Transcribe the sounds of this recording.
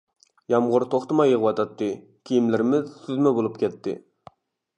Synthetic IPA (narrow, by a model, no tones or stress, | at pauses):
jɑmʁʊɾt̪ʰoχt̪ɨmɑjəʁəwɑt̪ʰɑt̪ʰːɨ | kʲʰijimlɪɾɪmɪzsyzmɛbolˠup̚kʲɛt̪ʰːɪ̰